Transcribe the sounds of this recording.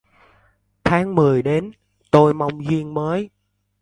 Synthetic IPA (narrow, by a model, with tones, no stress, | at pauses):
t̪ʰaː˨˦ŋmɨ˨˩əjɗe˨˦n | t̪o˧jma˧wŋ͡mzwi˧ənməː˨˦j